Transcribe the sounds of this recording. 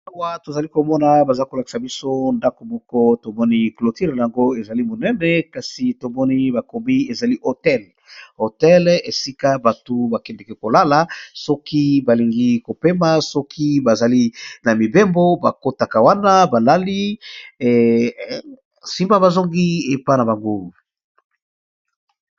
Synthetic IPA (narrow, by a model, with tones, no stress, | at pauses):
a˦wa˦to˨za˨li˦ko˨mɔ˦na˨ba˨za˨li˦ko˨la˨ki̥˨sa˨bi˦so˦nda˦ko˨mɔ˦kɔ˦to˨mɔ˦ni˦klo˨ti˦ʁna˨ja˨ŋɡo˦e˨za˨li˦mo˨nɛ˦nɛ˦ka˨si˨to˨mɔ˦ni˦ba˨ko˨mi˦e˨za˨li˦ʔo˨tɛ˦l | o˨tɛ˦le˨si˦ka˦ba˨tu˦ba˨kɛ˨ndɛ˨kɛ˨ko˨la˦la˨sɔ˦ki˦ba˨li˨ŋɡi˦ko˨pe˦ma˦sɔ˦kʰi˦ba˨za˨li˦na˨mi˨be˦mbo˦ba˨ko˦ta˨ka˨wa˦na˦ba˨la˦li˦ | si˦mba˦ba˨zo˦ŋɡi˦e˨pa˦na˨ba˨ŋɡo˦